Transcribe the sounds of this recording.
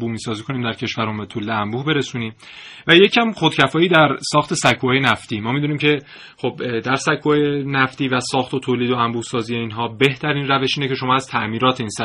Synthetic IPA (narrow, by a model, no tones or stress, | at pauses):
buːmiːsɒːziːkʰo̞niːmd̪æɾcʰe̞ʃvæɾombet̪ʰulːeæmbuːhbe̞ɾe̞suːniːm | væje̞cʰæmxo̞d̪̥cʰæfɒːjiːd̪æɾsɒːxt̪ʰe̞sækʰːuɒːjenæft̪iːmɒːmid̪uːniːmcʰe̞ | χo̞bd̪æɾsækʰːuhɒjenæft̪iːvæsɒːxt̪ʰot̪ʰoːliːd̪o̞æmbuːhsɒːzije̞iːnɦɒːbe̞ht̪ʰæɾiːnræve̞ʃiːne̞ce̞ʃo̞mɒːæzt̪ʰæʔmiːɾɒːt̪ʰeiːnsæ